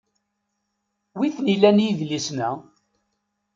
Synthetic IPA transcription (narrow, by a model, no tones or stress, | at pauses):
wiθnilːænjivlisnæ